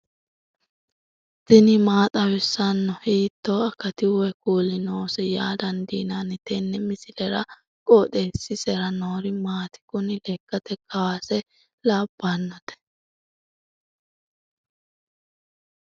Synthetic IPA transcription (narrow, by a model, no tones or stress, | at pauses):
t̪ɛnɪmaːt̪ʼɐwɛsːɐnːɔhiːt̪ːoːɐkːɐt̪ɪwɛkuːlɪnoːsɛjaːd̪ɐnd̪iːnanɪt̪ɛnːɛmɪsɪlɛɾɐ | kʼoːᶑ̪eːsːɪsɛɾɐnoːɾɪmaːt̪ɪ̥kʊnɪlɛkːɐt̪ɛkʼːɐwaːsɛ | laːb̥ːanːɔt̪ɛ̥